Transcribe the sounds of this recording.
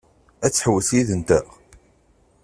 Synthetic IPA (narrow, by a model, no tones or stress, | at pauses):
æt͡sːħəwəsjiðənt̪æʁ